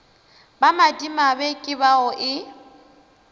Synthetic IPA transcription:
bamadimabekʼɪβaɔʔɪ

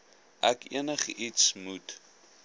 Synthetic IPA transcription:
ʔækḭənəχitsmut

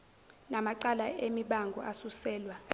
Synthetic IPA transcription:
namaǀalaemiɓaŋɡʱɔ̰ʔasusɛːlwa

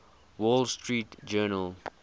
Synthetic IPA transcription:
wɔlstɹiːtd͡ʒɛːnəl

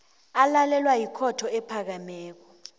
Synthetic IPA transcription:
alalɛlwajikʰɔtʰɔɛpʰak̬amɛːk̬ɔ

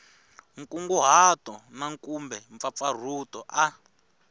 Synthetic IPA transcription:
ŋ̩kuŋɡuɦatɔnaŋkumbɛɱp̪fap̪far̤utɔʔa

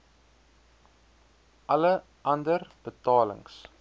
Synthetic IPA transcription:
ʔɐlə | ʔɐndərb̥ətɑːlə̰ŋs

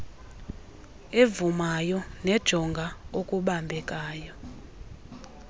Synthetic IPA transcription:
evumajɔnɛd̥ʒ̥ʱɔŋɡʱaokʼuɓambʱɛkʼaːjɔ

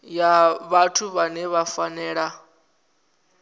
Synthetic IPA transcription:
jaβatʰuβanɛβafanɛːɺa

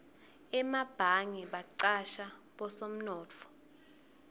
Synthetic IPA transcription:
ɛmab̥ʱaŋiɓaǀaʃaɓɔsom̩nɔːt͡fʰɔ̥

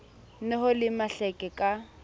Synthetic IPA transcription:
nɛhʊlɪmaɬɛkʼɛkʼa

